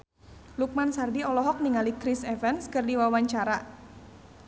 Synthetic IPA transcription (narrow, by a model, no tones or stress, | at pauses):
luk̚mansardiɔlɔɦɔk̚niŋalikɾisɛvɛnskɨrdiwawaɲt͡ʃaɾa